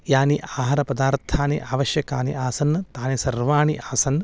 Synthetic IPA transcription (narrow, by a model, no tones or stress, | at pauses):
jaːniʔaːɦaːɾɐpɐd̪aːɾt̪ʰaːniʔaːʋɐʃjɐkaːnḭaːsɐnːt̪aːnesɐɾʋaːɳiʔaːsɐn